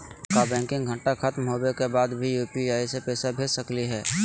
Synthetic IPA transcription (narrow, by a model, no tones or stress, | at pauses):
kabɛ̃ːŋkɪ̃ŋɡʱə̃ɳʈaxət̪mɦoːbekebaːd̪bʱijuːpiaːisepɛːsabʱeːd͡ʒsəkliɦɛː